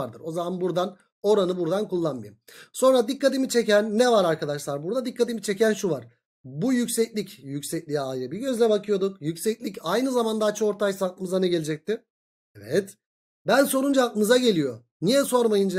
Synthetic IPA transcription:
aɾd̪ɯɾo̞zamanbuɾd̪an | o̞ɾanɯbuɾd̪ankulˠːanmajim | so̞nɾad̪ikʰːat̪imit͡ʃʰecænːɛvaɾaɾkad̪aʃlˠaɾbuɾd̪ad̪ikʰːat̪imit͡ʃʰe̞cænʃuvaɾ̥ | bujycsɛclʲicjycʲsɛc̚lʲijɛajɾɯbiɟø̞zlʲɛbakʰɯjo̞d̪ukjycsɛclʲicajnɯzamand̪aːt͡ʃʰɯoɾt̪ʰajsak̪ɯmɯzanɛɟe̞lʲid͡ʒɛc̚t̪ɪ̥ | ɛvɛt̪ | bænso̞ɾund͡ʒaak̪ːɯmɯzaɟe̞lʲijo̞ | nijɛso̞ɾmajɯnd͡ʒa

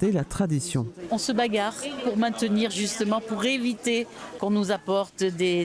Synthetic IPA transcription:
elat̪χad̪isjɔ̃ɔ̃səbaɡaʁpuʁmɛ̃t̪əniʁʒyst̪əmɑ̃puʁevit̪ekɔ̃nuzapɔʁt̪d̪e

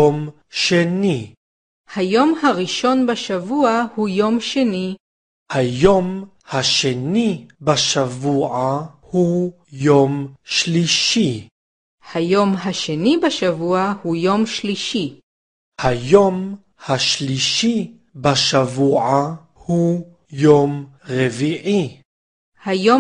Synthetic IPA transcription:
om | ʃeni | hajo̞mhaʁiʃo̞nbaʃavuahujo̞mʃeni | hajom | haʃenibaʃavuʕahu | jomʃliʃi | hajo̞mɦaʃenibaʃavuahujomʃliʃi | hajom | haʃliʃi | baʃavuʕa | hu | jomʁeviʕi | hajo

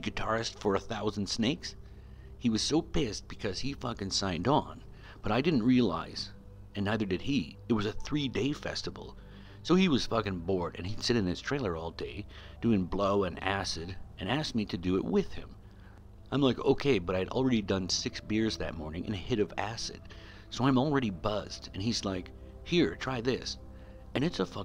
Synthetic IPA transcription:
ɡɨtʰɑɹɨstfə˞ɨθaʊzn̩d̥sneɪks | hiwʌz̥soʊpʰes̚b̥ɨkʰʌz̥ifʌkɨ̃nsãɪ̃ndn̩ | b̥ʌɾaɪdɪdⁿn̩ʔ̚ɹiəla̰ɪz̥ | ɨ̃nːaɪðə˞dɨd̚iɨt̚wʌzɨθɹideɪfɛ̰stəvl̩ˠ | soʊiwʌz̥fʌkɨ̃ŋbɔɹɾɨ̰̃nid̥sɪɾɨ̃nɨz̥tʰɹ̥eɪlˠə˞ɔlˠdeɪ | d̥ʉɪ̃ŋbloʊɨ̃næ̰sɨdɨ̃næsk̚miɾɨdɨɪ̰ʔ̚wɪð̥ɪ̰̃m | ʔãɪ̃mlaɪko̰ʊkʰeɪbʌɾaɪɨɾl̩ˠɹɛɾidʌ̃nsɪksb̥ɪɹzðɨ̰t̚mɔɹnɪ̃ŋʔɨ̰̃nɨhɪɾʌvæsɨ̰d̥ | soʊãɪ̃ml̩ˠɹɛɾibʌzdɨ̃nizlaɪk | hiɹtʰɹ̥aɪðɪs | ɨ̃ñɨtsəfʌ

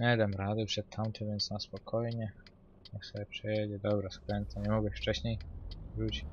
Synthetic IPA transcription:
ɲɛd̪ɛmɾad̪ɘpʂɛt̪t̪ʰːamt̪ʰɛvʲjɛnt̪snaspɔkʰɔjɲɛ | maksɛɛpʂɛjɛd͡ʑɛd̪ɔbɾaskɾɛnt̪saɲɛmɔɡɛft͡ʂɛɕɲejvɾut͡ɕi̥

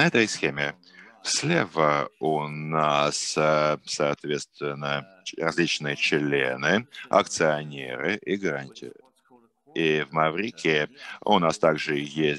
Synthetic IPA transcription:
nəɛt̪əjsxʲemʲɪ | fslʲevəʊnassɐːt̪vʲet̪st̪vʲɪnːə | rɐzʲlʲit͡ɕnɨjət͡ɕlʲḛnɨɐ̰k̚t̪sɨɐnʲḛɾɨʔiɡəɾɐnʲtʲʰḭɾ | ivmɐvɾʲikʲɪʊ̰nast̪aɡʐɨjesʲ

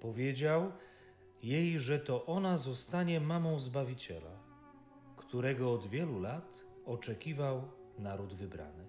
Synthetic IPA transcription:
pɔvʲjed͡ʑaw | jejʐɛt̪ɔʔɔnazɔst̪aɲɛmamɔ̃w̃zbavʲit͡ɕɛ̰la̰ | kt̪uɾɛɡɔːd̪vʲjɛlulat̪ | ɔt͡ʂɛkʲivawnaɾud̪vɘbɾa̰nɘ

